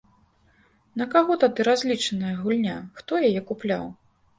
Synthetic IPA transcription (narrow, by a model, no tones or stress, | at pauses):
nɐkaɣɔt̪ad̪ɨɾazʲlʲit͡ʂɐnɐjɐɣulʲnʲaxt̪ɔjajɛkuplʲa̰w